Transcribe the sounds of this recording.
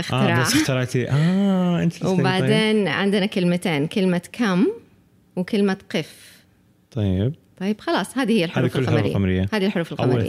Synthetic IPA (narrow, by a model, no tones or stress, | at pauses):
ʔɪxʔaɪɾɑaːɪxt̪ɪɾɑʕt̪iʔaʔɪ̰nt̪wbaʕd̪eːnʕɪ̰nd̪ɪnakɪlmat̪eːnkɪlmakʰamː | wkɪlmaqɪf | t̪ˤɑjːɪb̚t̪ˤɑjːɪb̥xɑlɑːsˤhaːðihɪjːalħaʊufɪlːamaɾɪ̰ːamɾɪjːahaːðilħʊɾuːfɪlʔama̰ːa̰